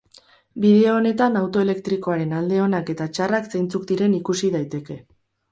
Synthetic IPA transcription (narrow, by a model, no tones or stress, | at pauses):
biðe̞oone̞t̪anawt̪o̞ele̞kt̪ɾiko̞aɾe̞nald̪e̞o̞nake̞t̪at͡ʃarakse̞jnt͡suk̚d̪iɾe̞nikusið̞ajt̪e̞ke̞